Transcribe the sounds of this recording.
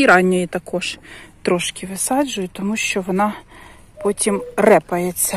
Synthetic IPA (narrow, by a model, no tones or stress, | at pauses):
iɾɑnʲːɔjit̪ɐkɔʒt̪ɾɔʃkɪʋɪsɑd͡ʒʊjʊt̪ɔmuʃt͡ʃɔʋɔnɑ | pɔtʲimrɛpɐjet͡sʲːɐ